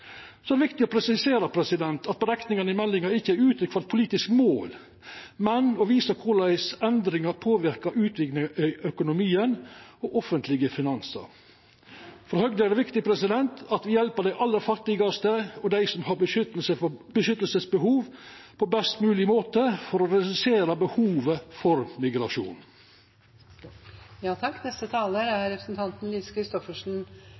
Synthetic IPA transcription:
sɔɛæɾdɛʋɪkt̪ɪɔpʰɾɛsɪseːɾəpʰɾɛsɪd̪ɛnt̪ɑt̪̚bəɾɛknɪŋənəɪmɛlːɪŋɑɪçːəæɾʉːt̪ʰɾʏkʰfɑlt̪̚pʰʊliːt̪ɪskmoːl | mɛnɔʋiːsəkʰʊlæɪsɛnd̪ɾɪŋɑɾpʰoːʋɪɾkɑɾʔʉːt̪ʰʋɪɡnəʔœkʊnʊmiːənɔʔɔfənt̪lɪɡəfɪnɑnsə̰ɾ | fɔɾhœɡd̪əæɾɖɛʋɪkt̪ɪpʰɾɛsɪd̪ɛnt̪ʰɑt̪ʋɪjɛlpəd̪æɪʔɑlːəfɑt̪ɪɡɑst̪əɔd̪æɪsɔmhɑɾʏsəbəʃʏt̪ːəlsəsbəɦuːʋpʰɔbɛst̪mʉːlɪmoːt̪əfɔɾɔɾɛd̪ʉseːɾɑbəhuːʋəfɔɾmɪɡɾɑʂṵːn | jɑːt̪ʰɑkːnɛst̪ət̪ʰɑːləɾæɾɛpɾəsnt̪ʰɑnt̪n̩liːskʰɾɪst̪ɔfəʂn̩

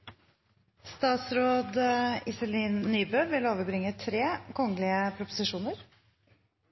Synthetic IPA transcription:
st̪ɑːt̪sɾoːd̪ɪsəliːnːyːbøːʋɪloːʋəɾbɾɪŋət̪ʰɾeːkʰɔŋəlɪəpʰɾʊpʊ̥sɪʂuːnəɾ

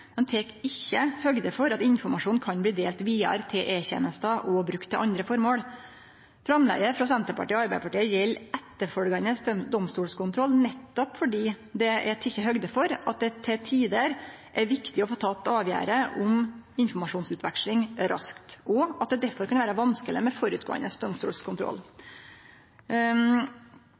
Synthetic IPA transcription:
mɛnt̪ʰeːkɪçːəhœɡd̪əfɔɾɑt̪ɪnfɔɾmɑʂuːnkʰɑnbliːd̪eːlt̪ʋiːɑ̰ɾt̪ʰɪlʔeːçɛ̰nəst̪ɑʔɔbɾʉkt̪ʰːɪlʔɑnd̪ɾəfɔɾmoːɽ | fɾɑmlɛ̰ɡəfɾɑsɛnt̪əɾpʰɑ̰ʈiːɔɑɾbæɪpʰɑʈiːəjɛlːɛt̪ːəɾfœɾɡɑnəsd̪ɔmst̪uːlskʊnt̪ʰɾɔlːnɛt̪ːɔpfɔɖiː | d̪ɛɛt̪ʰɪçəɦœɡd̪əfɔɾɑ̰t̪̚d̪ɛt̪ʰɛt̪ʰiːd̪əɾ | ʔæɾʋɪkt̪ɪɔfoːt̪ʰɑːt̪ːɑːʋjæ̰ːɾəʔʊm | ɪnfɔmɑʂuːnsʉːt̪ʰʋɛkʂlɪŋɾɑ̰skt̪ɔɑt̪̚d̪ɛd̪æɾfɔɾkɑnʋæːɾəʋɑnskələmɛfɔɾʉːt̪̚ɡo̰ːə̰nəsd̪ɔmst̪ṵːlskʰʊnt̪ɾɔ̰lː

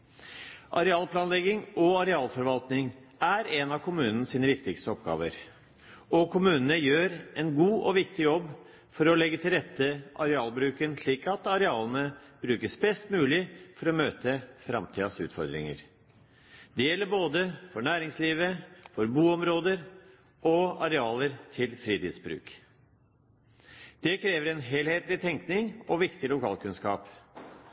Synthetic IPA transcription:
ʔɑ̰ɾɛɑːlpʰlɑːnlɛɡɪŋɔɑɾɛɑːlfɔɾʋɑlt̪nɪŋæɾɛnɑkʰʊmʉːnən̩əsiːnəʋɪkt̪ɪkst̪əɔpɡɑ̰ːʋə̰ɾ | ɔkʰʊmʉːnənəjøːɾɛnɡuːʔɔʋɪkt̪ɪjɔbː | fɔɾɔlɛɡːət̪ʰɪlɾɛt̪ːəʔɑɾɛɑːlbɾʉːkənʂliːkɑt̪ɑɾɛɑːlnəb̥ɾʉːkəsbɛst̪mʉːlɪfɔɾɔmøːt̪əfɾɑ̰mt̪ʰiːd̪ɑsʉ̰ːt̪fɔɾd̪ɾɪ̰ŋə̰ɾ | d̪̥ɛjɛlːəɾboːd̪əfɔɳæːɾɪŋsliːʋəfɔɾbuːɔmɾoːd̪əɾ | ɔɑɾɛɑːləɾt̪ʰɪlfɾiːt̪iːd̪sbɾʉ̰ːk | d̪̥ɛkʰɾeːʋəɾɛnɦeːlheːt̪lɪt̪ʰɛŋknɪŋɔʋɪkt̪ɪlʊkʰɑ̰ːlkʉnskɑ̰ːp

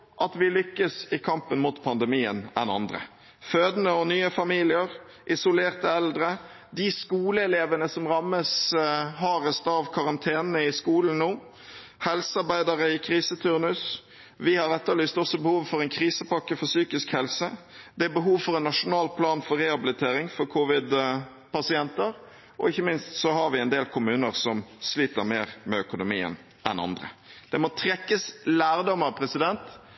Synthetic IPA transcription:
ʔɑt̪ʋɪlʏkːəsɪkʰɑmpənmʊt̪pʰɑnd̪əmiːə̰nɛ̰nɑ̰nd̪ɾə̰ | føːd̪nəɔnyːəfɑmiːlɪəɾ | ʔɪsʊleːɾt̪əɛld̪ɾə | d̪ɪskuːləɛleːʋənəsɔmʁɑmːəsɦɑɾəst̪ɑʋkʰɑɾɑnt̪ʰeːnəəɪskuːln̩nuː | hɛlsəɑɾbæɪd̪ɑɾəɪkʰɾiːsət̪ʰʉɾnʉs | ʋɪhɑɾɛt̪ːəlyːst̪ɔsːɔbəhuːʋfɔɾɛnkʰɾiːsəpɑkːəfɔsyːkɪskhɛlsə | d̪ɛæbəɦuːʋfɔɾɛnːɑʂʊnɑːlpʰlɑːnfɔɾɛhɑbɪlɪt̪ʰeːɾɪŋfɔɾkʰʊːʋɪd̪ | pɑsɪɛnt̪əɾ | ɔ̰ɪçːəmɪnst̪sɔhɑɾʋɪɛnd̪eːlkʰʊmʉːnəɾsɔmsliːt̪əɾmeːɾmɛœkʊnʊmiːə̰n | ʔɛ̰nɑ̰nd̪ɾə̰d̪̥ɛmɔt̪ʰɾɛkːəslæːɾd̪ɔməpʰɾɛsɪd̪ɛnt̪

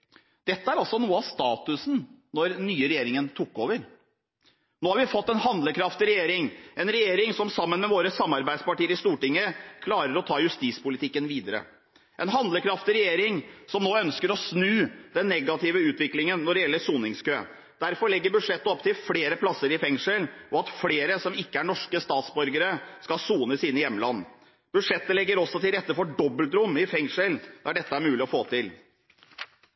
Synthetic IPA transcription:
d̪̥ɛt̪ːəæɾɑlsɔnuːəɑʋst̪ɑːt̪ʉsnnɔɾnyːəɾɛjeːɾɪŋənt̪ʰukːoːʋəɾ | noːhɑɾʋɪfɔt̪ːɛnɦɑnd̪ləkʰɾɑft̪ɪɾɛjeːɾɪŋɛnɾɛjeːɾɪŋsɔmsɑmːənmɛʋoːɾəsɑmːɑɾbæɪspɑʈiːəɾɪst̪uːʈɪŋːəkʰlɑːɾəɾɔt̪ʰɑːjʉst̪iːt̪spʊlɪt̪ʰɪkːənʋiːd̪əɾə̰ | ʔɛnɦɑnd̪ləkʰɾɑft̪ɪɾɛjeːɾɪŋsɔmnoːœnskəɾɔsnʉːd̪ɛnːɛɡɑt̪ʰɪʋəʉːt̪ʋɪklɪŋənːɔɖɛjɛlːəsuːnɪŋskøː | d̪̥æɾfɔɾɭɛɡːəɾbʉd̪ʂɛt̪ːəɔpt̪ʰɪlfleːɾəpʰlɑsːəɾɪfɛŋʂəlʔɔɑt̪fleːɾəsɔmɪkːəæɳɔʂkəst̪ɑːt̪sbɔɾɡəɾəskɑsuːnəsɪnəjɛmːəlɑnː | b̥ʉd̪ʂɛt̪ːəlɛɡːəɾɔsɔt̪ɪlɾɛt̪ːəfɔɖɔbːəlt̪ɾʊmːɪfɛŋʂəld̪ɑɖɛt̪ːəæɾmʉːlɪɔfoːt̪ʰɪl

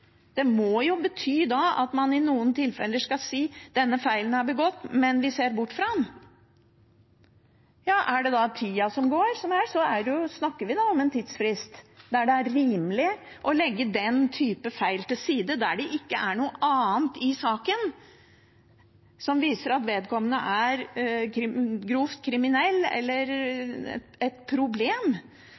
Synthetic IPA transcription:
d̪̥ɛmɔjʊbət̪ʰyːd̪ɑɑ̰t̪mɑnɪnuːənt̪ɪlfɛ̰lːəʂkɑlsiːd̪̥ɛnːəfæɪlənɑɾbəɡɔt̪ːmɛnʋɪseːɾbʊʈːfɾɑn | jɑːʔæɖɛd̪ɑt̪ʰiːɑsɔmɡoːɾsɔmæsɔæɖɛjʊsnɑkːəɾʋɪd̪ɑɔmɛnt̪ʰiːd̪sfɾɪst̪d̪æɖɛæɾɾiːmlɪ | ʔɔlɛɡːəd̪ɛnt̪ʰyːpəfæɪlt̪ɪlsiːd̪əd̪æɖɛʔɪkːəʔæɳuːəʔɑːnt̪ɪsɑːkən | sɔmʋiːsəɾɑt̪ʋeːd̪kʰɔmːənəʔæɾkɾɪɡɾuft̪kʰɾɪmɪnɛlːɛ̰lːəɾɛ̰ | ɛt̪pʰɾʊbleːm

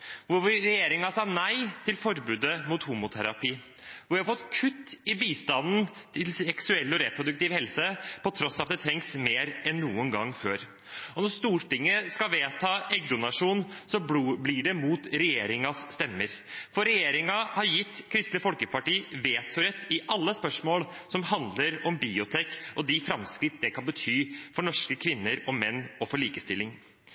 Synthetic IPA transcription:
ʋʊʋɪɾɛjeːɾɪŋɑsɑːnæɪt̪ʰɪlfɔɾbʉːd̪əmʊt̪huːmʊt̪ʰæɾɑpiː | ʋʊʋæhɑɾfɔt̪ːkʰʉt̪ːɪbiːst̪ɑnnt̪ʰɪlsɛksʉɛlːɔɾɛpɾʊd̪ʉk̚t̪ɪʋhɛlsəpɔt̪ʰɾɔsːɑt̪̚d̪ɛt̪ʰɾɛŋksmeːɾɛnːuːənɡɑŋːføːɾ | ɔnɔst̪uːʈɪŋːəskɑʋeːt̪ʰɑːʔɛɡ̚d̪ʊnɑʂuːnsɔbblɪɖɛmuːt̪ɾɛjeːɾɪŋɑsːt̪ɛmːəɾfɔɾɛjeːɾɪŋɑhɑɾjɪt̪ːkʰɾɪst̪ləfɔlkəpʰɑʈiːʋeːt̪ʰʊɾɛt̪ːɪʔɑlːəspœʂmoːl | sɔmhɑnd̪ləɾɔmbiːʊt̪ʰeːkɔd̪ɪfɾɑmskɾɪt̪ːd̪ɛkʰɑnbət̪ʰyːfɔɳɔʂkəkʰʋɪnːəɾɔmɛnːɔfɔɭiːkəst̪ɪlːɪŋ

